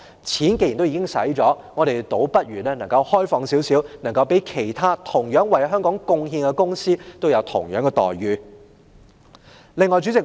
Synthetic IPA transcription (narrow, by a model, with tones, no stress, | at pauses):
t͡sʰiː˨˥nke˧jt̪o˥wi˨˥kɪ˥ŋsɐ̰˨˥jt͡sɔː˨˥ŋɔː˨˧ɾe˨jt̪o˨˥wpɐ˥t̚ɥyː˨˩nɛː˥nɐ˨˩ŋkɐ˧whɔː˥jfɔː˧ŋsiː˨˥wsiː˨˥wnɐ˨˩ŋkɐ˧wpe˨˥jkʰe˨˩jt̪ʰaː˥t̪ʰʊ˨˩ŋjœː˨˥ŋwɐ˨˩jɦœː˥ŋkɔː˨˥ŋkʊ˧ŋhiː˧nkɛ˧kʊ˥ŋsiː˥t̪o˥wjɐ˨˧wt̪ʰʊ̰˨˩ŋjœː˨˥ŋɛ˧t̪ɔ̰ː˨˩jɥyː˨ | lɪ˨˧ŋːɔː˨˩jt͡sy˨˥t͡sɪ˨k̚